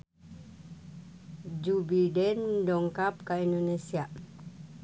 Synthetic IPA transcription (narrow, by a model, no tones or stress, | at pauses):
d͡ʒubidɛndɔŋkap̚kaindonesia